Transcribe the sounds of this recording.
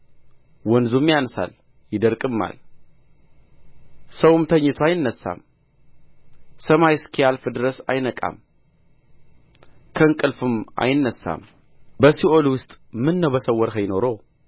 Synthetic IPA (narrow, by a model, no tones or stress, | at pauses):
wɔnzumjansa̰l | jɪd̪əɾkʼɨmːa̰l | səwɨmt̪ʰəɲːɪt̪ʰuajɪnːəsːa̰m | səmajskʰijalfɨd̪ɨɾəsa̰jnəkʼa̰m | kʰəɨŋkʼɨlfɨma̰jɪnːəsːa̰m | bəsiʔolwʊst̪ʼmɨnːəwbəsəwːəɾɦəjno̞ɾo